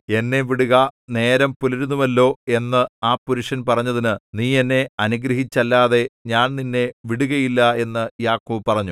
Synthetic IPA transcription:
e̞nːe̞ʋiɽuɣɐne̞ːɾɐmpuliɾunːumɐlːo̞ːe̞nːɨaːpuɾuʂɐnpɐrɐɲːɐðinɨniːe̞nːe̞ɐnuɡɾɐɦit͡ɕːɐlːaːðe̞ɲaːnninːe̞ʋiɽuɣɐjilːɐe̞nːɨjaːkːuːpɐrɐɲːu

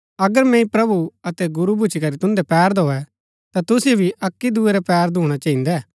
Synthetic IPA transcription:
ɐɡəɾmɛ̃ĩpɾɐbuɐt̪ɛɡʊɾubʱʊt͡ʃʰikɐɾit̪ʊ̃nd̪ɛpɛːɾd̪oːɛ | t̪at̪ʊsbʱiʔɐkːid̪ueɾɛpɛːɾd̪ʱũːɽ̃at͡ʃɐ̃ːĩːnd̪ɛ

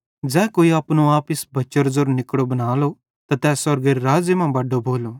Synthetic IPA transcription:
d͡zɛ̃ːkoːiaːpnũaːpɪsbɐt͡ʃəɾzoɾnɪkɽobɐnaːlo | t̪at̪ɛːsɐɾɡəɾɾaːd͡ʒjəmãbɐɖːobʱoːlo

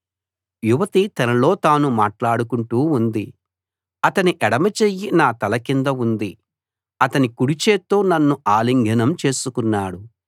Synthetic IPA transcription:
juʋɐt̪it̪ɐnɐlo̞ːt̪aːnumaːʈlaːɽukuɳʈuːund̪i | ɐt̪ɐniʔɛɽɐmɐt͡ʃejinaːt̪ɐlɐkind̪ɐund̪i | ɐt̪ɐnikuɽit͡ʃe̞ːt̪oːnɐnːuʔaːliŋɡʱɐnɐmt͡ʃe̞ːsukunːaːɽu

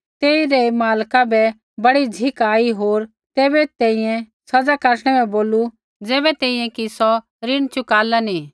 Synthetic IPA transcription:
t̪eːiɾɛmaːlkabɛ | bɐɽid͡zʱɪkaːiɦoːɾ | t̪ɛːbɛt̪ɛ̃ːĩjɛ̃ | sɐd͡zakɐɾɽ̃ɛbɛ̃boːlu | d͡zɛːbɛt̪ɛ̃ːĩjɛ̃kisɔ | ɾɪɽ̃t͡ʃʊkaːlani

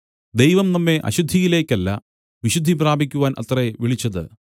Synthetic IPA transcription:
d̪ejʋɐmnɐmːe̞ʔɐ̰ɕud̪ʱːijile̞ːkʲːɐlːɐ | ʋiɕud̪ʱːipraːbʱikʲːuʋaːnʔɐ̰t̪rɐeʋiɭit͡ɕːɐðɨ̰

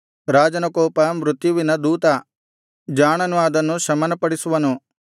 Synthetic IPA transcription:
ɾaːd͡ʒɐnɐkɔːpɐmɾut̪juʋinɐd̪uːt̪ɐ | d͡ʒaːɳɐnuɐd̪ɐnːuʃɐmɐnɐpɐɽisuʋɐnu

